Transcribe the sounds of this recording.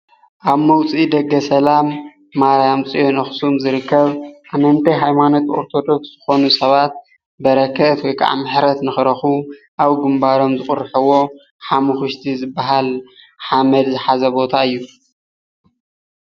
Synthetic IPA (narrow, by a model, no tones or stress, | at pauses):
ʔaβmɐwt͡sʼid̪ɐɡːɐsɐlamː | aɾajamt͡sʼijonɐxsumzɨɾɨkːɐβʔamɐnt̪ʰɐjɦajmano̞t̪o̞ɾt̪ʰo̞d̪o̞ksz̥ɨxo̞nusɐβat̪̚ | bɐɾɐkʰːɐt̪wojkʰʼa̰ʕmɨħɾɐt̪nɨxɨɾɐxuʔaβɡɨmbaɾo̞mzɨkʼʊɾħɨwo̞ | ħamuxɨʃt̪ʰizɨbːaɦal | ħamɐd̪zɨħazɐbo̞t̪ʰaɨjːu